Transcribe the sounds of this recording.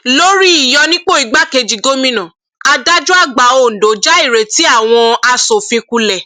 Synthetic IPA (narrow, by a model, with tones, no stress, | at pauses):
lo˦ɾi˦i˨jɔ˧nĩ˦k͡po˦˨i˨˧˦ɡ͡ba˦ke˧d͡ʒi˨ɡo˦mĩ˦nã˨ | a˧da˦d͡ʒu˦a˦˨ɡ͡ba˨˦o˧˨n̩˨do˨˦d͡ʒa˦i˦˨ɾe˨ti˨˦a˦˨w̃ɔ̃˧a˧so˨fĩ˧ku˧lɛ˨